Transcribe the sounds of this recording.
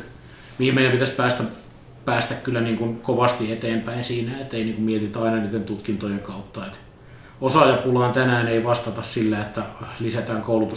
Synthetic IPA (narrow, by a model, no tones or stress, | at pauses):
mihimmeijæmpit̪æspæːst̪æ | pæːst̪ækkylːæniːŋkunkoʋɑst̪iet̪eːmpæinsiːnæet̪ːeiniːŋkummiet̪it̪ɑinɑniːt̪ːent̪ut̪kint̪ojeŋkɑut̪ːɑet̪ | osɑjɑpulɑint̪ænæːneiʋɑst̪ɑt̪ɑssilːæet̪ːælisæt̪æːŋkoulut̪u